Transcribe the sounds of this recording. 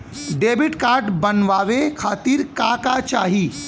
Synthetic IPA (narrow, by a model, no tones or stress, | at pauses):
ɖeːbɪʈkaːɾʈbənʋaːʋekʰaːt̪iːɾkakat͡ʃa̰ːɦi